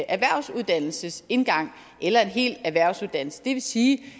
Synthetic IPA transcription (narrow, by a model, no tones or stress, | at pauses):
ʔæʋæɐ̰ʊ̰suð̞ˠd̥æn̰l̩səse̝nɡ̥ɑ̈ŋ̰ | ʔelɐe̝nɦe̝̰ːld̥æʋæɐ̰ʊsuðˠd̥æn̰l̩səd̥e̝ʋe̝siː